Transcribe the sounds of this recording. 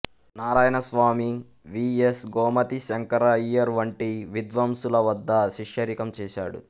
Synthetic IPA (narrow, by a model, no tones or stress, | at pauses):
naːɾaːjɐnɐsʋaːmi | ʋiesɡɔːmɐt̪iʃɐŋkɐɾɐijɐɾʋɐɳʈiʋid̪ʋɐmsulɐʋɐd̪ːɐʃiʃjɐɾikɐmt͡ʃɛːʃa̰ːɽṵ